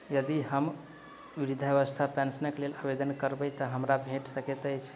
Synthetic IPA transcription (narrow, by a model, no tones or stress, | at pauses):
jəd̪iɦəm | ʋiɾid̪ʱeʋəst̪ʰapɛ̃nsənəklelabed̪ənkəɾbəjt̪əɦəmɾabʱeʈsəket̪əjt͡ʃʰ